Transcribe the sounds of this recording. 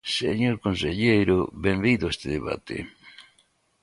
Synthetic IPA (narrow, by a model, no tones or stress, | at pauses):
seɲoɾkõnseʎejɾobeɱbiðoest̪eðeβa̰t̪ḛ